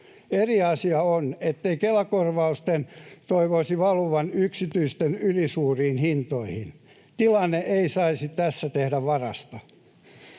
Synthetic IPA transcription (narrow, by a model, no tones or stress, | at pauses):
eriɑsiɑonet̪ːeikelɑkorʋɑust̪ent̪oiʋoisiʋɑluʋɑnyksit̪yist̪enylisuːriːnhint̪oihin | t̪ilɑnːeʔeisɑisit̪æsːæt̪ehdæʋʋɑrɑst̪ɑ